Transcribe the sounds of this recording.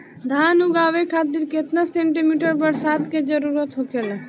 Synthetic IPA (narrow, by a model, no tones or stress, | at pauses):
d̪ʱaːnuɡaːʋekʰaːt̪̬iɾket̪nasẽːɳʈimiːʈəɾbəɾsaːd̪ked͡ʒəɾuːɾət̪ɦokel